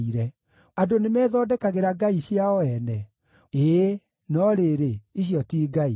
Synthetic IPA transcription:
iɾɛ | adonemɛːðɔdɛkaɣeɾaɡaiɕiaɔɛnɛ | e | nɔɾeɾeiɕiɔtiːɡai

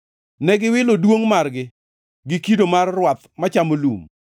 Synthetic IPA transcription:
nɛɡɪwɪlodwoŋmarɡɪ | ɡɪkidomarːwat̪mat͡ʃamolṵm

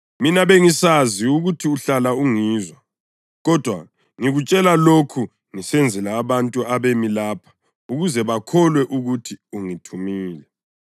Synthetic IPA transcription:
minaβeŋisaziuɣutʰiuɬalauŋiːzwa | ɣɔd̥ʱwa | ŋiɣut͡ʃʼɛlalokʰu | ŋisɛnd͡zʱɛlaːβantʼuaβemilaːpʰḁ | uɣuzɛβakʰɔlwɛʔuɣutʰiuŋitʰumiːlɛ

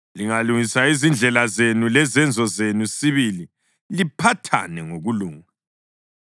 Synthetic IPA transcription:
liŋaluŋisaizind͡ɮʱɛlazenulɛzɛnd͡zʱɔzenusiβili | lipʰatʰa̰nɛŋoɣuluːŋa

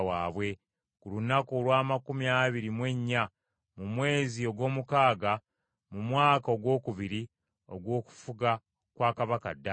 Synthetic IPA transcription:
waːβwe̞ | kulunakolwaːmakumjaːβiɾimwe̞ɲːa | mumwe̞ːzio̞ɡwo̞ːmukaːɡa | mumwaːkao̞ɡwo̞ːkuβiɾi | o̞̰ɡwo̞ːku̥fuɡa | kwaːkaβaka̰dːa

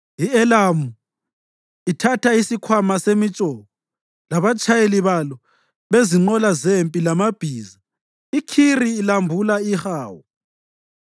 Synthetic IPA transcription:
iɛlamu | itʰatʰaisikʰwamasemit͡ʃʼɔːβɔ | laβat͡ʃʰʼajeliβalɔ | βeziŋ͡ǃɔlazempʼilamab̥ʱiːza | ikʰiriːlambʱulaixaːwɔ

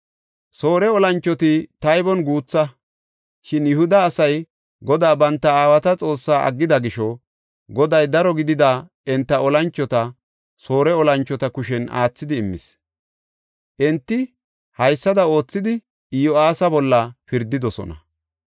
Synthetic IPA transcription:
so̞ːɾɛɔlɐnt͡ʃːɔt̪ɪt̪ɐjbɔnɡuːt͡sːɐ | ʃɪnjʊhʊd̪ɐːsɐj | ɡɔd̪aːbɐnt̪ːɐaːwɐt̪ɐt͡sʼo̞ːsːaːʔɐ̰ɡːɪd̪ɐɡɪʃɔ | ɡɔd̪ɐjd̪ɐɾɔɡɪd̪ɪd̪a | ɛnt̪ːɐʔɔlɐnt͡ʃːɔt̪ɐ | so̞ːɾɛɔlɐnt͡ʃːɔt̪ɐkʊʃɛna̰ːt͡sːɪd̪ɪːmːɪ̰s | ʔɛnt̪ːɪ | hɐjsːɐd̪ɐo̞ːt͡sːɪd̪ɪ | ɪjɔaːsɐbɔlːɐfɪɾd̪ːɪd̪ɔsɔ̰nɐ̰

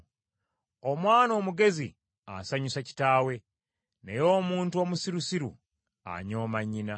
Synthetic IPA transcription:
o̞mwaːno̞ːmuɡe̞zi | a̰saɲusaci̥taːwe̞ | ne̞jo̞ːmuːntuo̞ːmusiɾusiɾṵ | a̰ɲo̞ːmaɲːina

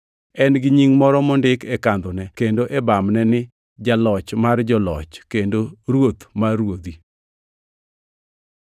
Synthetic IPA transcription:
ɛnɡɪɲiŋmɔɾɔmɔndɪkɛkand̪onɛkendoʔɛbamnɛnɪ | d͡ʒalɔt͡ʃmard͡ʒɔlɔ̰t͡ʃkendoɾwot̪maɾwod̪i

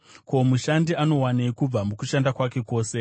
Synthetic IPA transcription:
ko̞muʃandiano̞waneikub͡vamukuʃandakwake̞ko̞ːse̞

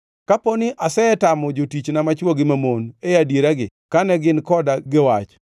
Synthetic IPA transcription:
kaponɪʔasɛɛtamɔd͡ʒotit͡ʃnamat͡ʃwoɡɪmamonejadeɾaɡɪ | kanɛɡɪnkɔdaɡɪwat͡ʃ

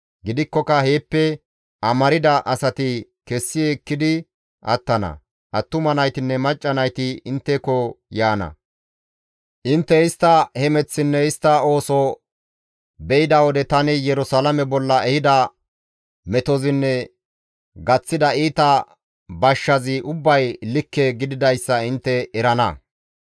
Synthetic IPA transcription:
ɡɪd̪ɪkːɔkɐhe̞ːpːɛ | ʔɐmɐɾɪd̪ɐʔɐsɐt̪ɪkɛsːɪeːkːɪd̪ɪ | ɐ̰t̪ːɐnɐ̰ | ʔɐt̪ːʊmɐnɐjt̪ɪnːɛmɐt͡ʃʼːɐnɐjt̪ɪɪnt̪ːɛkɔjaːnɐ̰ | ʔɪnt̪ːɛɪst̪ːɐhɛmɛt͡sːɪnːɛɪst̪ːɐo̞ːsɔ | bɛɪd̪ɐwɔd̪ɛt̪ɐnɪjɛɾʊsalɐmɛbɔlːɐɛhɪd̪ɐ | mɛt̪ɔzɪnːɛ | ɡɐt͡sːɪd̪ɐiːt̪ɐ | bɐʃːɐzɪʔʊbːɐjlɪkːɛɡɪd̪ɪd̪ɐjsːɐɪnt̪ːɛɛɾɐnɐ

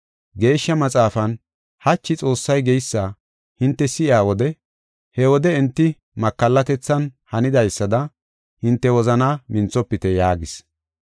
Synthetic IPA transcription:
ɡe̞ːʃːɐmɐt͡sʼaːfɐn | hɐt͡ʃːɪt͡sʼo̞ːsːɐjɡɛjsːɐ | hɪnt̪ːɛsɪʔɪaːwɔd̪ɛ | hɛwɔd̪ɛɪnt̪ːɪ | mɐkːɐlːɐt̪ɛt͡sːɐnhɐnɪd̪ɐjsːɐd̪ɐ | hɪnt̪ːɛwɔzɐnaːmɪnt͡sːɔpːɪt̪ɛjaːɡɪs

